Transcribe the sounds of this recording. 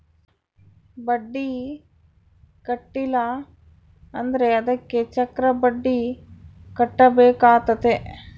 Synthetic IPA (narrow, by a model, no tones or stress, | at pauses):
bɐɖːi | kɐʈːilːɐ | ɐnd̪ɐɾeɐd̪ɐkːet͡ʃɐkɾɐbɐɖːi | kɐʈːɐbeːkaːt̪ɐt̪e